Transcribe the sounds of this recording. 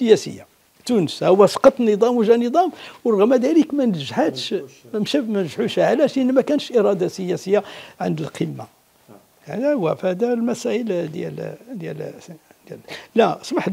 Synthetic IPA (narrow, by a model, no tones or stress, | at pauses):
səjæsə̰jːa | t̪unəshəwːæsˤqɑt̪ˤnəd̪ˤɑmwʒænəd̪ˤɑmwɾˤɣmæd̪ælikmænəɾʒħət̪ʃmæmʃæmænəʒʕuʃʕlæʃʔənːmækænʃʔiɾˤɑd̪asəjæsəjːaʕə̰nd̪əlqʰəmːa̰ | d̪æwæfhæd̪ælmæsæʔəld̪jæ̰ld̪jæ̰ld̪jællæsˤməħ